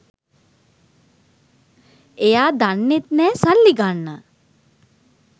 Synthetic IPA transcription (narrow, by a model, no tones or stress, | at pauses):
ejaːd̪anːet̪nɛːsalːiɡanːə